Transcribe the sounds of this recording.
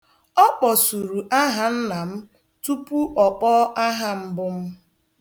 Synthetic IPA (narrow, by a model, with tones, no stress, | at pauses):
ɔ˦k͡pɔ˨su˨ɾu˨ʔa˦ɦa˦n̩˦na˨m̩˦ | tu˦pu˦ʔɔ˨k͡pɔ˦ʔa˦ɦa˦m̩˦bʊ˦m̩˦